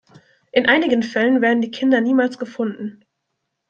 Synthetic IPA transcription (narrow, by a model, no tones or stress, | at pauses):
ʔɪnʔaɪnɪɡən̩fɛlən̩veːɐdn̩diːkʰɪndɐniːmaːlsɡ̥əfʊndn̩